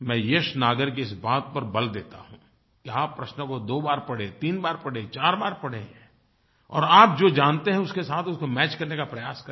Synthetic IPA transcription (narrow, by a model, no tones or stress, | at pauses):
mɛ̃ːjeːʃnaːɡəɾk̬iɪsbaːt̪̚pɐɾbɐld̪ḛːt̪a̰ɦũː | kiaːpːɾɐʃnkod̪oːbaːɾpɐɽ̤et̪iːnbaːɾpɐɽ̤et͡ʃaːɾbaːɾpɐɽ̤e | ɔ̰ːɾaːp̚d͡ʒoːd͡ʒãːnt̪eɦɛ̃ʊskesaːt̪ʰʊskomɛːt͡ʃkɐɾnekapɾɐjaːskɐ